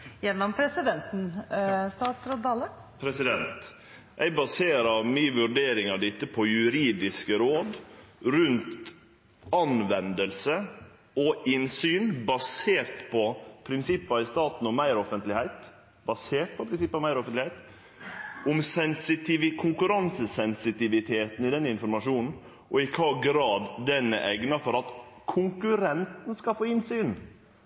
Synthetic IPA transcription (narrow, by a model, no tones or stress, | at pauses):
jɛnːɔmpʰɾɛsɪd̪ɛnt̪n̩st̪ɑːt̪sɾoːd̪d̪ɑːlə | pʰɾɛsɪd̪ɛnt̪ | ʔæɪbɑseːɾɑɾmyːʋʉɾɖeːɾɪŋɑd̪ɪt̪ːəpʰɔjʉɾiːd̪ɪskəɾoːd̪ɾʉnt̪ | ɑnʋɛnd̪əlsə | ɔɪnsyːnbɑseːɾt̪pʰɔpʰɾɪnsɪpːɑɪst̪ɑːt̪n̩ɔmmæɪɾɔfənt̪lɪhæɪt̪ | bɑseːʈ̪̚pʰɔpʰɾɪnsɪpːɑmæɪɾɔfənlɪhæɪt̪ | ʊmsɛnsɪt̪ɪʋɪkʰʊŋkʉɾɑnsəsɛnsɪt̪ɪʋɪt̪ʰeːt̪n̩ɪd̪ɛnːəɪnfɔɾmɑʂuːnn̩ | ʔɔɪkʰɑɡɾɑːd̪ːɛnːə̰ʔɛɡnɑfɔɾɑt̪kʰʊŋkʉɾɛnt̪n̩skɑlfoːɪnsyːn